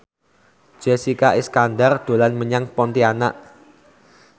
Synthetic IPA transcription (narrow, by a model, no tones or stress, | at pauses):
d͡ʒ̥ɛsikaʔiskandard̪̥o̤lanməɲaŋpɔnt̪iana̰ʔ